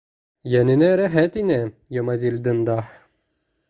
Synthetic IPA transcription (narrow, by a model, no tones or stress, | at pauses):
jænɘ̆næɾæɦæt̪inæjɤmɑzilʲd̪ɤnd̪ɑ